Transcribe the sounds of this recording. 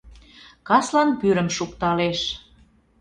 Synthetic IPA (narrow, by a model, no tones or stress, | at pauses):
kɑslɑnpyɾə̆mʃukt̪ɑleʃ